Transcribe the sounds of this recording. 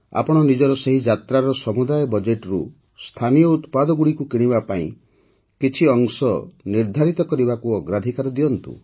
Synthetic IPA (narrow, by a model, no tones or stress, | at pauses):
a̰pɔɽ̃ɔnid͡ʒɔɾɔseɦid͡ʒat̪ɾaɾɔsɔmud̪ajɔbɔd͡ʒeʈɔɾṵ | st̪ʰanijɔut̪pad̪ɔɡuɽikukiɽ̃ibapaḭ̃ | kit͡ʃʰiɔŋsɔniɾd̪ʱaɾit̪ɔkɔɾibakuɔɡɾad̪ʱikaɾɔd̪iɔnt̪ṵ